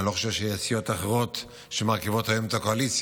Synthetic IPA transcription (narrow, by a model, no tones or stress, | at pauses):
lo̞χoʃevʃeasijo̞t̪aχeʁo̞t̪ | ʃemaʁkivo̞thajomet̪akoalit͡s